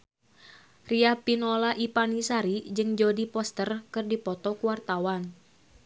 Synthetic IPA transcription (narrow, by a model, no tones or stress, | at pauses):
riapinɔlaʔipanisaɾid͡ʒɨŋd͡ʒodipɔst̪ərkɨrdipɔt̪ɔkuwart̪awan